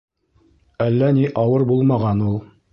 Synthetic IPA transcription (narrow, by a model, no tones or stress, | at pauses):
ælːæniʔɑwɤɾbulˠmɑʁɑnulˠ